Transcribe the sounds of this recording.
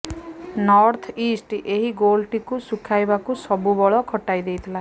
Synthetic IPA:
nɔɾt̪ʰisʈʔeɦiɡolʈikusukʰajbakusɔbubɔɭɔkʰɔʈajd̪ejt̪ʰila

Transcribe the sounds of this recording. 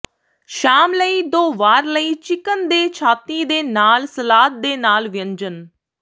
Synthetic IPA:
ʃaːmləiːd̪oːʋaːɾləiːt͡ʃɪkənd̪eːt͡ʃʰaːt̪iːd̪eːnaːlsəlaːt̪̚d̪eːnaːlʋɪə̃ɲd͡ʒən

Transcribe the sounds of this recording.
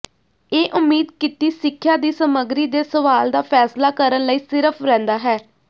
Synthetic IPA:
eːʔʊmːiːd̪̚kɪt̪iːsɪkʰːjaːd̪iːsəməɡɾiːd̪eːsəʋaːld̪aːpʰɛːslaːkəɾənləiːsɪɾəpʰɾɛ̃ːnd̪aːɦɛː

